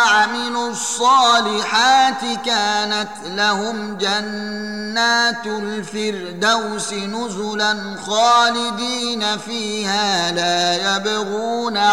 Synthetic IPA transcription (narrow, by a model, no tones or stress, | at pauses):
aʕmɪlʊsˤːɑːlɪħaːt̪ɪkaːnat̪lahʊm | d͡ʒanː | aːt̪lfɪɾ | d̪awsɪnʊzʊlan | xaːlɪd̪iːnafiːhaːlaːjabɣuːna